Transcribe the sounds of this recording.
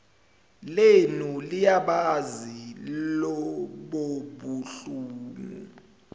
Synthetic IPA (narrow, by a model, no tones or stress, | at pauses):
lenulijaɓazilɔɓoɓuɬuːmṵ